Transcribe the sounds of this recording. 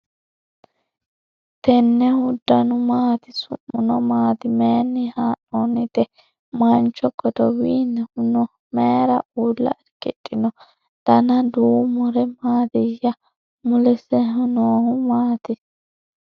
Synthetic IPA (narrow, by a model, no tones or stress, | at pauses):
t̪ɛnːɛhʊd̪ːɐnʊmaːt̪ɪsʊ̰mːʊnɔmaːt̪ɪmeːnːɪhaːnːonɪt̪ɛ | mɐnt͡ʃːɔɡɔd̪ɔwiːnːɛhʊnɔ | meːɾɐʔuːlːɐ̰ɛɾkɛtʼːɪnɔ | d̪̥ɐnɐd̪uːmɔɾɛmaːd̪ɛjɐ | mʊlɛsɛɦʊnoːhʊmaːt̪ɪ